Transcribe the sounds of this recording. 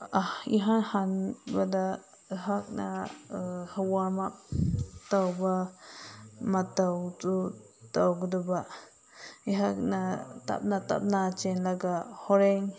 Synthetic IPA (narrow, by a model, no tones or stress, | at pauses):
ahiɦãhanbad̪a | əɦak̚na̰ | hawamap̚t̪awba | mat̪awt͡su | t̪awɡd̪uba | iɦaknat̪a̰p̚nat̪a̰p̚nat͡ʃenlaɡahoɾeŋ